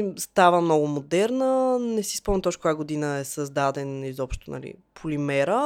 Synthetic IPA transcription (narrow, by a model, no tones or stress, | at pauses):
st̪avəmnɔɡʊmod̪ɛɾnənɛsi̥spɔmnt̪ɔʃkojaɡod̪inəɛsəzd̪ad̪ɛnizɔpʃt̪onɐ̰lḭpʰʊlimɛɾə